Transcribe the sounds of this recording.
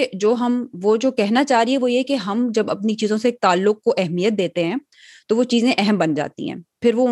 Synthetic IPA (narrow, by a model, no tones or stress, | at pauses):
d͡ʒoːɦɐmʋod͡ʒoːkɛɦnat͡ʃaːɦɾiɦɛʋojekeɦɐmd͡ʒɐbɐpnit͡ʃiːzõseːk̚t̪aːlːʊk̚koʔɛɦmijət̪̚d̪eːt̪eɦɛ̃ː | t̪oʋot͡ʃiːzẽʔɛɦɛmbɐnd͡ʒa̰ːt̪ḭɦɛ̰̃ːpʰɪɾʋo